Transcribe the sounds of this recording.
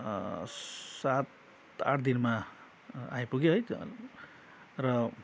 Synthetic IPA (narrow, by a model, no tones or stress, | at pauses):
sat̪ | a̰ʈʰd̪inma | ajpuɡeɦʌjt̪ | rʌ